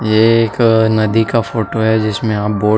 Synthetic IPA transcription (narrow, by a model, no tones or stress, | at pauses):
jeːknɐd̪ikafoːʈoɦɛd͡ʒɪsmẽaːp̚boː